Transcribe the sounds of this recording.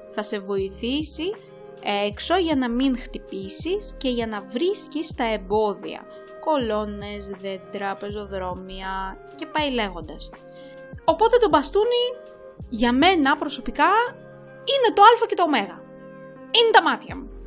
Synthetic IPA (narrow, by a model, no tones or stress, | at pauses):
θɐse̞vo̞iθisi | ekso̞ʝɐnɐmiŋxt̪ipisisce̞ʝɐnɐvɾiscist̪ɐe̞mbo̞ðḭɐ̰ | ko̞lo̞ne̞zðed̪ɾɐpe̞zo̞ðɾo̞miɐ | ce̞pɐile̞ɣo̞nd̪ɐs | o̞po̞t̪e̞t̪o̞bɐst̪uni | ʝɐme̞nɐpɾo̞so̞pikɐ | ine̞t̪o̞ɐlfɐce̞t̪oːme̞ɣɐ | ine̞t̪ɐmɐt̪çɐmu